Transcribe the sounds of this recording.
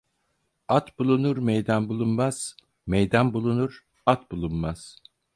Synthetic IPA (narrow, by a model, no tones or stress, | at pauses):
at̪bulˠunuɾmejd̪anbulˠunmaz̥ | mejd̪anbulˠunuɾ | at̪bulˠunmaz̥